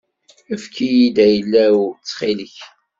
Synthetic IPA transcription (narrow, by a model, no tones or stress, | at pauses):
æfkijid̪æjəlːæwt͡sːχiləç